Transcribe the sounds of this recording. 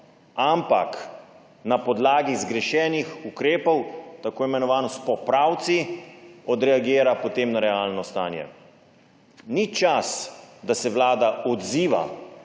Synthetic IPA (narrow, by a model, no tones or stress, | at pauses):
ampak | napɔd̪laːɡizɡɾɛʃɛːnixukɾeːpɔwt̪akoːimɛnɔʋaːnɔspɔpɾawt̪siɔd̪ɾɛaɡiːɾapɔt̪eːmnaɾɛaːlnɔst̪aːnjɛ̰ | nit͡ʃasd̪asɛʋlaːd̪aɔd̪ziːʋa̰